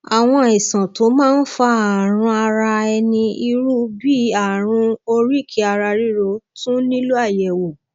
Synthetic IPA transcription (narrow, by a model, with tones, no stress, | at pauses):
a˨w̃ɔ̃˧i˨sã˨tʰo˨˦mãː˦n̩˦fa˦a˨ɾ̃ũ˧a˧ɾa˧ɛ˧nĩ˧i˧ɾu˦bi˦a˦˨ɾ̃ũ˧o˧ɾi˦˨kʰi˧˦a˧ɾa˧ɾi˦ɾo˧tũ˦nĩ˦lu˦a˦˨jɛ˨wo˨